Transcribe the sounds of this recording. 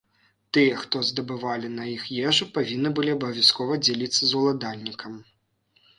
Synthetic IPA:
t̪ɨjɐxt̪ɔzd̪ɐbɨvalʲinɐixjɛʐupavʲinːɨbɨlʲiɐbɐvʲjaskɔvɐd͡zʲɛlʲit̪sːɐzulˠad̪alʲnʲikʰɐm

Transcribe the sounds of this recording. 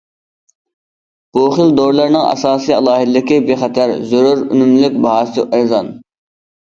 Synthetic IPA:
b̥oχɪlˠd̪oɾlˠɑɾnɨŋɑ̰sɑːsijɑlˠɑːɦɪd̪ɪd̪ɪkʲɪbeχɛt̪ʰæɾzøɾuɾy̰nymlykʲbɑɦɑːsɨʔɛzɑn

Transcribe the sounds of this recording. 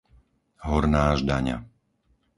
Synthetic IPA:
ɦɔɾnaːʒd̪aɲa̰

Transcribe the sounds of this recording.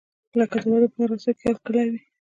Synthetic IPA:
ləkad̪ənoɾopənaɾasokealkəlawi

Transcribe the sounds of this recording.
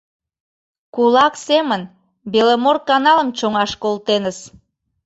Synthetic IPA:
kulɑksemən | belemorkɑnɑləmt͡ɕoŋɑʃkolt̪enəs

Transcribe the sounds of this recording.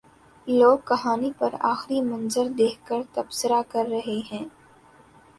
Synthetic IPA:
loːɡ̚kɐɦaːnipɐɾa̰ːxɾimɐ̃nzəɾd̪eːkkəɾt̪ɐbsəɾakɐɾːɐɦeɦɛ̃ː

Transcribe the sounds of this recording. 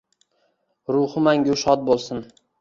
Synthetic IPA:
ɾʊhɪmaŋɡʲʊʃɒt̪̚bolˠsɪn

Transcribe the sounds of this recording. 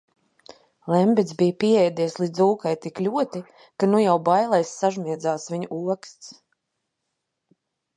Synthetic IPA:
lˠɛmbʲit̪zbijpiɛɛjd̪iɛslˠid̪zuːkajt̪iklʲuɔt̪i | kanujawbajlˠajsːaʒmʲiɛd̪zaːsviɲuʔuɔkst̪s

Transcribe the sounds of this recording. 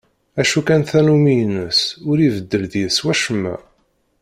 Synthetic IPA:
æʃukænθænumijnəsʊɾivəd̪ːəlðjəswæʃəmːæ̰

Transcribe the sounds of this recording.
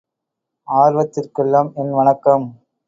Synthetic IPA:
aːɾʋɐt̪ːɪrkɪɭːɐmɛnʋɐɳɐkːɐm

